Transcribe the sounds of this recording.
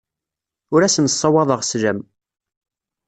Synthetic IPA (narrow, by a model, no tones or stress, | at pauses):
ʊɾæsənsˤːɑwɑðˤəʁslæm